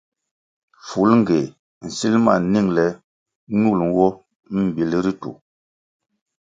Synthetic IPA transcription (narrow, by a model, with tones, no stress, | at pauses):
fu˨˦lŋ̩˦˨ɡe˨ | n̩˨si˦lma̰˦˨ni˦˨ŋlɛ˨˦ | nu˦˨l̩˨˦wɔ˦ | m̩˨bi˨li˦ɾi˦tṵ˨